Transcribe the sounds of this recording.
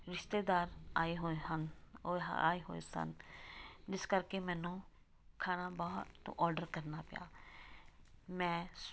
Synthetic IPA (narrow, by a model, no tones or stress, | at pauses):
ɾɪʃt̪eːd̪aːɾaːeːɦoeənː | a̰ːeːɦo̰ːḛːsə̰n | d͡ʒɪskəɾkeːmɛ̃ːnũː | kʰaːnaːbaːt̪ːʔɔːɾɖəɾkəɾnaːpɪja̰ː | mɛ̃ː